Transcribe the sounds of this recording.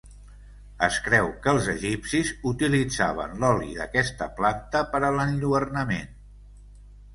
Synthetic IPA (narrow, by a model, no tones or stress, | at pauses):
ə̰skɾɛwkəlˠzəʒipsizut̪ilid͡za̰β̞ə̰nlɔlḭðə̰kɛst̪əplant̪əpəɾələnʎuβərnəmḛn